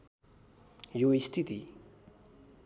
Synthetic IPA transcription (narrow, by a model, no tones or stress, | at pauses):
joist̪ʰit̪i